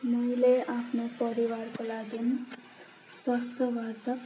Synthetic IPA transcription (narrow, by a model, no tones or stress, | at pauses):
mʌjleapʰnopʌɾiwarkolaɡin | swʌst̪ʌbart̪ʌ